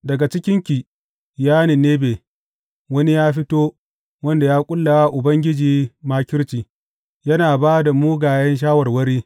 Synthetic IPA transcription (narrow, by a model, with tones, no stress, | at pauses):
dɐ˨ɡa˨t͡ʃɪ˦kʲɪ˦ŋkʲi˨ | jaː˦ni˨neː˦beː˨ | wɐ˦ni˦jaː˦ɸɪ˦toː˦ | wɐ˦nda˨jaː˦kʷʼʊ˦lːa˨waː˦ʔʊ˨bɐ˦ŋɡʲɪ˦d͡ʒiː˨maː˦kʲɪ˦ɽt͡ʃiː˨ | jɐ˦naː˨baː˦da˨muː˦ɡaː˨jɐ˦nʃ̬aː˦wɐ˨rwɐ˦ɾiː˦